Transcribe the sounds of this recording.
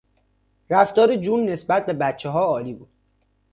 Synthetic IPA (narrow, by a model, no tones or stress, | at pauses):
ɾæft̪ɒːɾed͡ʒuːnːe̞sbæt̪̚be̞bæt̪t͡ʃʰːeɦɒːɒːliːbuːd̪̥